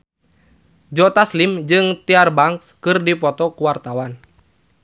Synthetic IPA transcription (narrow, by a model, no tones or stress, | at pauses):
d͡ʒɔt̪aslimd͡ʒɨŋt̪iarbaŋkskɨrdipɔt̪ɔkuwart̪awan